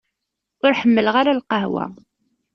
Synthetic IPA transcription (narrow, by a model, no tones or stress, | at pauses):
ʊɾħəmːəlʁaɾalqəɦwæ̰